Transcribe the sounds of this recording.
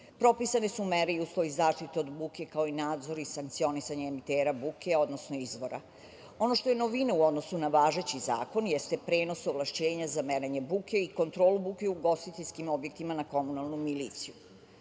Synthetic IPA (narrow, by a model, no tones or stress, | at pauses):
pɾo̞pisanesumeɾeiuːslˠo̞ʋizaːʂt̪it̪eo̞d̪buke̞kao̞inaːd̪zo̞ɾisaŋk̚t̪sio̞nisaɲeːmit̪eːɾabukʰeo̞d̪no̞sno̞izʋo̞ɾa̰ | o̞noʃt̪o̞jenoʋineuo̞d̪no̞sunaʋaːʒe̞t͡ɕiza̰ːko̞njest̪epɾeːno̞soʋlˠaʃt͡ɕe̞ːɲazameɾeɲebukʰe̞iko̞nt̪ɾo̞ːlubuke̞uɡo̞st̪it̪eʎʲskimo̞bje̞k̚t̪imanako̞munalˠnumiliːt̪siju